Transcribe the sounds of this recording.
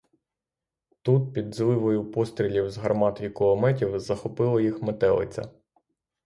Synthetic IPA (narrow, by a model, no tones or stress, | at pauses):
t̪ut̪̚pʲid̪zlˠɪʋɔjʊpɔst̪ɾʲilʲiwzɦɐrmɑt̪ɔʋʲikɔlˠɔmɛtʲiwzɐxɔpɪlˠɐjixmet̪ɛlˠɪ̰t͡sʲɐ̰